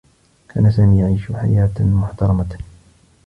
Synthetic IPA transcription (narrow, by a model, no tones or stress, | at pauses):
kʰa̰ːnasaːmiːjaʕiːʃħa̰jaːt̪mʊħt̪ɑɾˤɑma